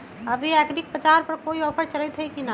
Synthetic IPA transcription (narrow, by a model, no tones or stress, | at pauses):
əbʱiɛkɖik̚pət͡ʃaɾpəɾkoiɔːpʰəɾt͡ʃələjt̪ɦɛjkina